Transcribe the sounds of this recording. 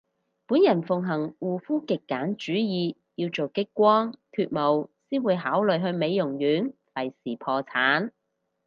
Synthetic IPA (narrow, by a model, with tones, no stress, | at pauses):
puː˨˥njɐ˨˩nfʊ˨ŋɦɐ˨˩ŋwuː˨fuː˥kɪ˨kːaː˨˥nt͡ʃyː˨˥jiː˨˧ | jiː˧wt͡so˨wkɪ˥kːʷɔː˥ŋk̪ʰyː˧t̚mo˨˩wsiː˥nwuː˨˧jɦaː˨˥wlɵ˨ɥɦɵ˧ɥme˨˧jːʊ˨˩ŋjyː˨˥nfɐ˨˩jsiː˨˩pʰɔː˧t͡sʰaː˨˥n